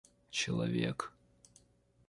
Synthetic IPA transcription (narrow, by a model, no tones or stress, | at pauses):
t͡ʃɪlˠɐvʲek